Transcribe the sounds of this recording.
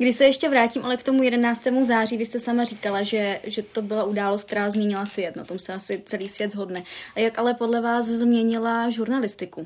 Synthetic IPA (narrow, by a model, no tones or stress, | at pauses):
ɡdɪʃsɛjɛʃcɛvɾaːcimʔalɛkt̪o̞mujɛdɛnaːt͡st̪ɛːmuzaːr̝iːvɪst̪ɛsamariːkalaʒɛʒɛt̪o̞bɪlaʔudaːlost̪k̚t̪ɛɾaːzmɲɛɲɪlasvjɛt̪na̰t̪o̞msɛasɪt͡sɛliːsvjɛd̪zɦo̞dnɛʔajakʔalɛpo̞dlɛvaːs̬zmɲɛɲɪlaʒuɾnalɪst̪ɪku